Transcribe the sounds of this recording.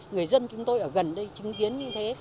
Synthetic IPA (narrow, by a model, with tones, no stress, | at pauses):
ŋɨ˨˩əjzə˧nt͡ɕʊ˨˦ŋ͡mt̪o˧jʔəː˧˩ɣə˨˩nɗə˧jt͡ɕï˨˦ŋki˨˦ənɲɨ˧t̪ʰe˨˦